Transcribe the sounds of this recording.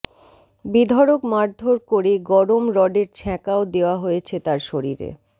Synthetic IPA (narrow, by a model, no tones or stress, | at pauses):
bid̪ʱɔɾokmaɾd̪ʱoɾkoɾeɡɔɾomɾɔɖeɾt͡ɕʰɛkaod̪eoaɦojet͡ɕʰet̪aɾʃoɾiɾḛ